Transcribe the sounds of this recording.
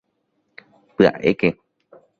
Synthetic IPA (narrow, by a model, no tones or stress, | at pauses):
pɨa̰ʔḛke